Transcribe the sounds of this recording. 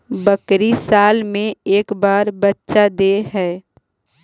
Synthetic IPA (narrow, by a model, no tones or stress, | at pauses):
bəkɾisaːlmẽeːkbaːɾbətːʃad̪eɦɛː